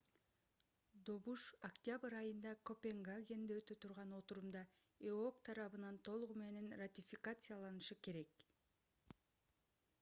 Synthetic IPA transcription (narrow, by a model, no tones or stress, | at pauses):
d̪o̞βuʃɐkt̪ʲɪabɨɾɑjɯnd̪ɑko̞pʲe̞ŋɡaɡʲe̞nd̪eøt̪øt̪ʰuɾʁɑno̞t̪uɾumd̪ɑeokt̪ʰɑɾɑβɯnɑnt̪ʰo̞lˠʁume̞ne̞nrat̪ʲifʲikat̪sɨjalˠɑnɯʃɯke̞ɾe̞k